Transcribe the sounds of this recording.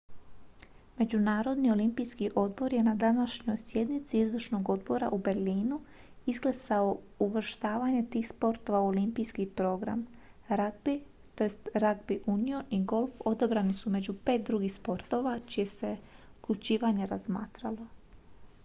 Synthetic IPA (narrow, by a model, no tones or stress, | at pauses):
me̞d͡ʑunaːɾo̞d̪nio̞limpijskiʔo̞d̪bo̞ɾje̞nad̪anaʃɲo̞jsje̞d̪nit̪siizʋrʃno̞ɡo̞d̪bo̞ɾa̰ʔube̞ɾliːnu | izɡlesao | uʋr̩ʃt̪aːʋaɲe̞t̪iːxspo̞ɾt̪oʋaolimpijskipɾo̞ɡɾa̰m | ɾaɡ̚bi | t̪o̞jest̪ɾaɡbiʔunio̞niɡo̞lˠfo̞d̪abɾanisume̞d͡ʑupe̞ːt̪̚d̪ɾuɡixspo̞ɾt̪o̞ʋat͡ʃije̞se̞uklʲut͡ɕiːʋaɲe̞ɾazma̰ːt̪ɾalo̞